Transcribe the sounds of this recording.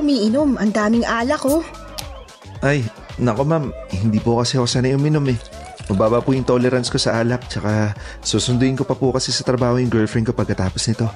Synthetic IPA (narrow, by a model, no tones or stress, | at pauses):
ʊmiːʔɪnomʔɐŋd̪aːmɪŋʔaːlɐko | ʔaj | nɐko̞mamhɪnd̪iːpokɐsɛhosanɐʔʊmɪno̞mɛ | mɐbaːbɐpʊjɪnt̪olɛɾɐnsko̞sɐʔaːlɐk̚t͡ʃɐka | suːsʊnd̪ʊʔɪnko̞pɐpʊkɐsɛsɐt̪ɾɐbaːhojʊŋɡɛfɾɪnko̞pɐɡkːɐt̪aːpo̞snɪt̪o̞